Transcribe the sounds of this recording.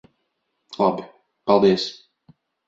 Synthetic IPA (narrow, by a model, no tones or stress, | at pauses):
lˠabi | palˠd̪iəs